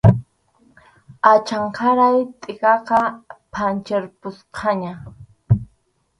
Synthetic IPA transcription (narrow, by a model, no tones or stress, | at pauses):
at͡ʃaɴkʰaɾajt̪ʼɪkɑqɑpʰant͡ʃeɾpʊsqʰɑɲa